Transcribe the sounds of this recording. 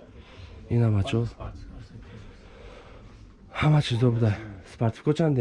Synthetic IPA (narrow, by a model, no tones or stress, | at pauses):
inamat͡ɕo | hamat͡ɕizobɯd̪ajsɨ̥paɾt͡sɨ̥kot͡ɕãnd̪e